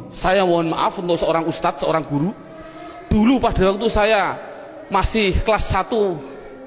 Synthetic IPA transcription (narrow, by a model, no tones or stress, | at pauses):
sajawɔɔnma̰ʔafunt̪ʊʔsəoɾaŋust̪at̪̚səo̰ɾaŋɡ̥uɾu | d̪̥ulupaɖ̥a̤waŋt̪usaja | masɪhhklasːat̪u